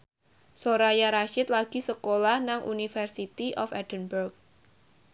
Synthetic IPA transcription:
soɾajaɾaʃɪt̪̚laɡ̥i̤səkolahnaŋʔṵnifərsit̪iʔɔfɛd̥ənburk̚

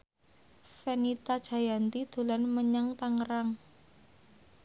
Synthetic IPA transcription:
fenit̪ad̥ʒ̥a̤jant̪id̪̥o̤lanməɲaŋt̪aŋəɾaŋ

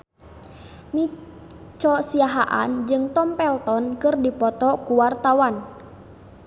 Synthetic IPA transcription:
ni | t͡ʃɔsiaɦaʔa̰nd͡ʒɨŋt̪ɔmpɛlt̪ɔnkɨrdipɔt̪ɔkuwart̪awan

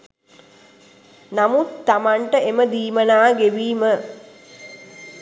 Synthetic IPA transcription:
namut̪ːamaɳʈəeməd̪iːmənaːɡeʋiːmə

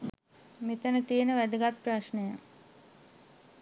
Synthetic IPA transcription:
met̪ənət̪ienəʋæd̪əɡat̪̚praʃnəjə

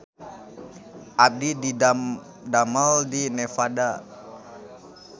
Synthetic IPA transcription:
ʔap̚didi | daməldinefada

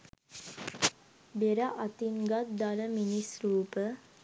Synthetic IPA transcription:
beɾaʔat̪iŋɡat̪̚d̪aləminisɾuːpə

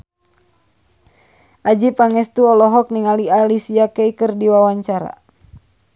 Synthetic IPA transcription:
ʔad͡ʒipaŋɛst̪uɔlɔɦɔk̚niŋalialisiakɛikɨrdiwawaɲt͡ʃaɾa̰

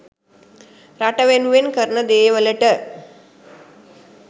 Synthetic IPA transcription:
ɾaʈəʋenuʋenkəɾɳəd̪eʋələʈə

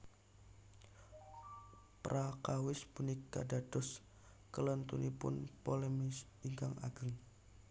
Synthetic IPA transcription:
pɾʔakawɪsb̥unikːa̰dad̥ɔs | kələnt̪unipʊ̰npolɛmis | iŋɡaŋa̰ɡ̥əŋ

